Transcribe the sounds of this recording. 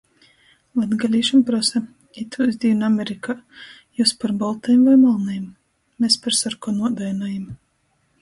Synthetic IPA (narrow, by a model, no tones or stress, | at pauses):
vad̪ɡalʲiːʃampɾɔsɛ | it̪ʰuzd̪ʲinamʲeɾika | juːspaɾbɔlˠt̪ɛjmvajmalˠnɛjm | mespaɾsaɾkɔnuɔd̪ajnajam